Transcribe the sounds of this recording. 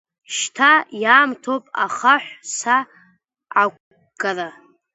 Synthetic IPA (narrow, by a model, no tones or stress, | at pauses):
ʃtʰajaːmtʰopʼa̰χaħʷsa | ʕakʷ | ɡala